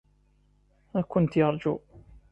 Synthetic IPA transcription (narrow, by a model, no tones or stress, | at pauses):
ækʊnt̪jɑɾˤd͡ʒu